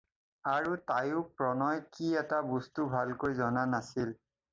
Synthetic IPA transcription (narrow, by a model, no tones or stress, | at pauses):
aɹutajʊpɹɔnɔjkiɛtabustubʱalkojzɔnanasil